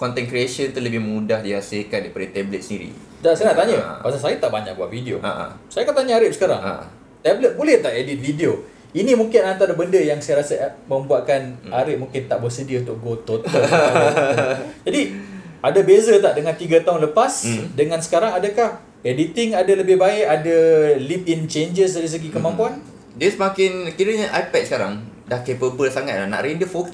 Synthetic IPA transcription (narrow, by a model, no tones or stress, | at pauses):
kɔnt̪ɛnkɾieʃənt̪uləbɪhmudahdihasɪlkandipadət̪ɛblət̪̚səndiɾḭ | daʔsnaʔt̪aɲə̰pasasajət̪aʔbaɲak̚bua̰ʔ̪̚vidio̰a̰ʔa̰sajakat̪aɲəaɾɪʔ̚sə̥kaɾa̰ŋa̰ | t̪ɛblət̪̚bolɛht̪aʔedit̪̚fidio | inĩmuŋkɪnant̪aɾəbəndəjaŋsajaɾasamə̃mbuaʔ̪̚kanaɾɪʔ̪̚muŋkɪnt̪aʔbərsədiəunt̪ʊk̚ɡot̪ot̪ə | d͡ʒadiʔadabezat̪aʔdəŋãnt̪iɡat̪aɦʊnləpasdəŋãnsə̥kaɾaŋadakah | edit̪ɪŋadaləbɪhbaɪʔadalip̚int͡ʃend͡ʒəsaɾis̬əɡikəmãmpuan | disəmakɪnkiɾəɲaʔapɛt̪̚səkaɾa̰ŋdahkepəbəlsaŋat̪̚lahna̰ʔɾendəfok